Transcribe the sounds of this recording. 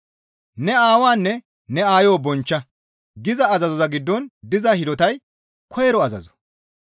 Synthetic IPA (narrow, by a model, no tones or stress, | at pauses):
nɛaːwaːnːɛ | nɛaːjoːbɔnt͡ʃːɐ | ɡɪzɐːzɐzɔzɐɡɪd̪ːɔnd̪ɪzɐhɪd̪ɔt̪ɐj | kʰɔjɛɾɔɐzɐ̰zɔ̥